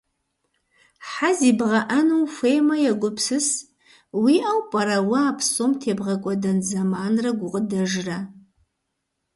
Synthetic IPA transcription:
ħazibʁɐʔɐnuwfʷejmɐjaɡʷʊpʰsɨs | wiʔawpʼɐɾɐwʊaːpʰsomtʰeːbʁɐkʷʼɔdɐnzamaːnrɐɡʷʊqʼədɐʒra

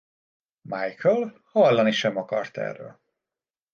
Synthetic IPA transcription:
majkʰøl | hɒlːɒniʃɛmɒkɒrt̪ɛ̰rːø̰ːl

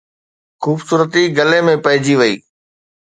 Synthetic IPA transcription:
xuːbsuːɾət̪iɡɐlemẽpɐɦɪd͡ʑiʋɐḭː

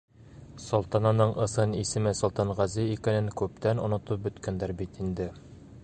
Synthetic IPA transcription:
sŏlˠt̪ɑnɑnɤɴʔɤ̆sɤnisɘ̆mɘsŏlˠt̪ɑnʁæzɘikænɘŋkʉp̚t̪ænŏ̰nŏt̪ɤp̚bɵ̆t̪kænd̪æɾbit̪ind̪ɘ

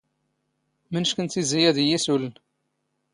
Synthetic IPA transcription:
mənʃkənt̪ːizijæðjisulən

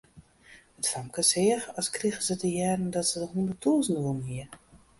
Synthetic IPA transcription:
ətfamkəsɪəxɔskriɣəzətəjɛːɾn̩dɔtsəɔxundətʰulˠsnəʋulˠn̩ɦiə

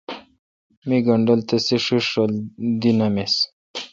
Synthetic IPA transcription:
miɡɐɳɖəlt̪eseʂuʂold̪inames

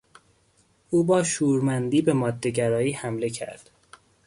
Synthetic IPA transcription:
uːbɒːʃuːɾmænd̪iːbe̞mɒːd̪ːe̞ɟæɾɒːiːhæmle̞cʰæ̰ɾd̪̥

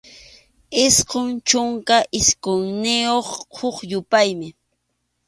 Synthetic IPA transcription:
ɪsqoŋt͡ʃʊŋkaʔɪskʊŋnɪjoχhʊχjʊpajmɪ

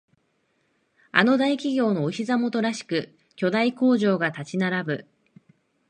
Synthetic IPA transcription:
a̰no̞d̪aikʲiɡʲo̞ːno̞ːçizamo̞t̪o̞ɾaɕi̥kɯ̟ | kʲo̞d̪aiko̞ːʑo̞ːɡat̪at͡ɕinaɾabɯ̟

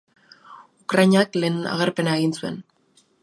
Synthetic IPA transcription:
ukɾajɲakle̞ːna̰ɣ̞eɾpe̞naeɣinsue̞̰n

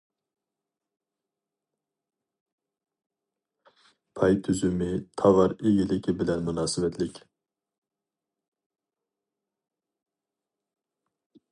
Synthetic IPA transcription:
pʰɑjt̪ʰyzymit̪ʰɑvɑɾiɡʲilɪkʲʰibilɛnmynɑːsɪvɛt̪ʰlɪkʲ

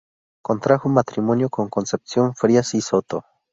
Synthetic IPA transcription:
kont̪ɾaxʊmat̪ɾimonjokoŋkonsep̚sjonfɾiasisot̪o

